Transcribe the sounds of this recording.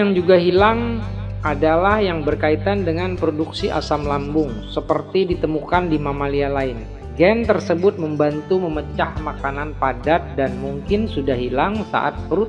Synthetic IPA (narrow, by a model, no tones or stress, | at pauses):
jaŋd͡ʒuɡaɦilaŋ | ʔadalahjaŋbərkait̪andəŋanpɾoduksiʔa̰samlambʊŋsəpərt̪idit̪əmukandimamalialaɪn | ɡɛnt̪ərsəbʊt̪̚məmbant̪uməmət͡ʃahmakananpadat̪̚danmuŋkɪnsudahɦilaŋsa̰ʔa̰t̪̚pəɾʊt̪̚